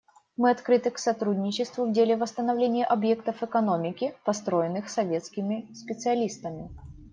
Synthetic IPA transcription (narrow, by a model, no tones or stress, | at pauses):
mɨɐt̪kɾɨt̪ɨksɐt̪ɾudʲnʲɪt͡ɕɪst̪vʊvdʲelʲɪvəst̪ənɐvlʲenʲɪjɪʔɐbje̞kt̪əfɨkɐno̞mʲɪkʲɪpɐst̪ɾo̞jɪnːɨxsɐvʲe̞t̪skʲɪmʲɪspʲɪt̪sɨɐlʲist̪əmʲɪ